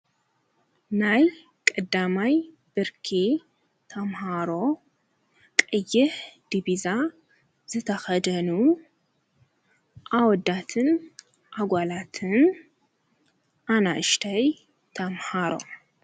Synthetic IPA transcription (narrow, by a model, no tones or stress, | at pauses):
naj | kʼɐd̪amaj | b̥ɨɾkʰi | t̪ʰɐmhaɾo̞ | kʼɨjːɪħd̪̥iβiza | zɨt̪ʰɐxɐd̪ɐnu | ʔawɔd̪ːat̪ʰɨn | ʔaɡʷalat̪ʰɨn | ʔanaʔɨʃt̪ʰaj | t̪ʰɐmhaɾo̞̰